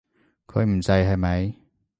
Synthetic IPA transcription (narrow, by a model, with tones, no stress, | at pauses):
kʰɵ˨˧˥ɥm̩˨˩sɐ˨˧jɦɐ˨jmɐ˨˧j